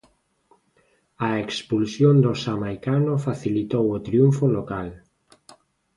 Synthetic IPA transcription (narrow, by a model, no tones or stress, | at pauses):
aekspulsjond̪osamajkanofaθilit̪owot̪ɾiuɱfolokal